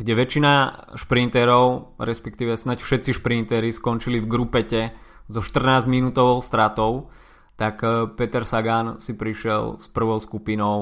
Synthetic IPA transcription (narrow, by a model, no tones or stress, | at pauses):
ɡɟɛʋɛt͡ʃinaʃpɾint̪ɛɾɔʊɾɛspɛk̚t̪iːʋɛsnacfʃɛt̪t͡siʃpɾint̪ɛɾiskɔnt͡ʃilivɡɾupɛcɛzɔʃt̪r̩naːzminut̪ɔʋɔʊst̪ɾat̪ɔʊ | t̪akpɛt̪ɛɾsaɡansipɾiʃɪɛ̰lspr̩ʋɔʊskupinɔʊ